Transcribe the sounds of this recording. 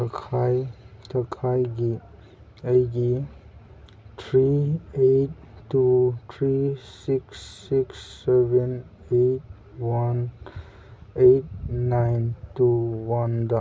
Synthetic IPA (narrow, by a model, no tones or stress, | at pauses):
kʰajt̪əkʰajɡi | əjɡi | t̪ʰɾieʈ̚ | ʈːut̪ʰɾisiksːiksːeben | eʈ̚ | wan | eʈ̚ːaɪntuwʌnd̪a